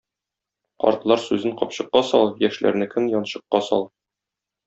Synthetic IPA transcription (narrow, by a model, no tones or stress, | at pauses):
qɒ̰ɾt̪lˠɑɾsʉzɘɴqɒpɕɤ̆qːɑsɒlˠjæʃlæ̰ɾnɘkɘmjɒnɕɤ̆qːɑsɒ̰lˠ